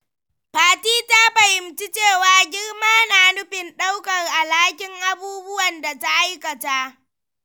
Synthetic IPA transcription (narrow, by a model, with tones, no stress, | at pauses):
paː˦tiː˦ta˦ɸɐ˨hɪ˨mt͡ʃi˦t͡ʃeː˦˨waː˨ɡʲɪ˦rmaː˦naː˨nʊ˦ɸɪ˨nɗa˦wkɐ˨ŋʔa˨laː˦kʲɪ˨ŋʔa˦buː˦bʊ˦wɐ˨nda˨ta˦ʔa˦jkɐ˨ta˦ʔ